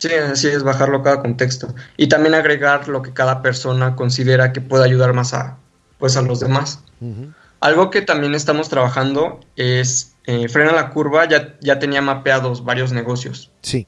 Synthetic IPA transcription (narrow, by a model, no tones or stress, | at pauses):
siasie̞zβaxaɾlo̞kaðako̞nt̪e̞kst̪o̞it̪ambje̞naɣɾe̞ɣaɾlo̞ke̞kaðape̞ɾso̞nako̞ns̬iðe̞ɾake̞pwe̞ðeaʝuð̞aɾmasa̰ | pwe̞s̬alo̞zðe̞mas | alɣo̞ke̞t̪ambje̞ne̞st̪amo̞st̪ɾaβaxand̪o̞ | e̞s | efɾe̞nalakuɾβaʝaʝat̪e̞niamapeaðo̞zβaɾjo̞zne̞ɣo̞sjo̞̰s | si